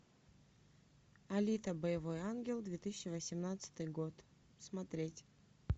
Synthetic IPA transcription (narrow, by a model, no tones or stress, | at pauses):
ɐlʲit̪əbəjɪvojanɡʲɪlˠd̪vʲet̪ɨsʲɪt͡ɕːɪvəsʲɪmnat̪sɨ̥t̪ɨjɡot̪ | smɐt̪ɾʲetʲ